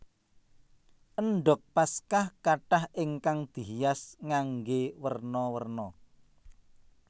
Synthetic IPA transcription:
ʔənɖɔk̚paskahkaʈahʔɪŋkaŋd̪̥i̤ɦjasŋaŋɡewərnɔwərnɔ

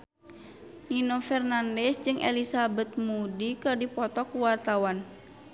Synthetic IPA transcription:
ninofɛrnandɛsd͡ʒɨŋʔɛ̰lisabɛt̪̚mudikɨrdipɔt̪ɔkuwart̪awan

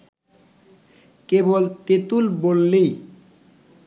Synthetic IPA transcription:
kebolt̪et̪ulbolːej

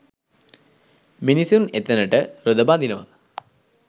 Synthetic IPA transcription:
minisunet̪ːɐnɐʈəɾod̪ɐbaːd̪inɐʋa̰

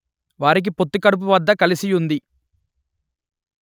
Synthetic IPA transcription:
ʋaːɾik̬ipo̞t̪ːukɐɽup̬uʋɐd̪ːɐkɐlisijund̪i

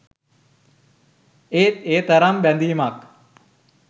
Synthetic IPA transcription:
et̪̚eːt̪ɐɾɐmbɛnd̪iːmak

